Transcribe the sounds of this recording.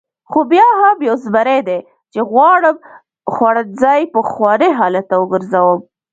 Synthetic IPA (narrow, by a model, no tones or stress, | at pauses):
xobjɑɦabjawzbaɾed̪e | t͡ʃeɣwɑɽəm | xwaɽad͡zɑjpəxwɑɽeɦɑlat̪awəɡəɾzawəm